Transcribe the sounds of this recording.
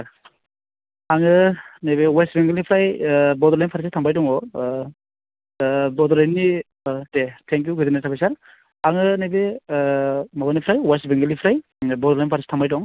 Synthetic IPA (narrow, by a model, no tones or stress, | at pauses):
aŋɯnajbewajsbiŋɡɯlnipʰɾajbɔdɾlajmpʰaɾsitʰambajtɔŋɔ | bɔdɔɾajnːi | tetʰeŋkjuɡɯzinatʰabajsaɾ | aŋɯnajbe | mabanipʰɾajwajsbiŋɡɯlipʰɾaj | bɔdɾlajmpʰaɾsi̥tʰambajtɔŋ